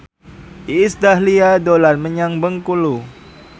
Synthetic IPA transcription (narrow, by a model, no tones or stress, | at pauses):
ʔiːsdahliadolanməɲaŋbəŋkulu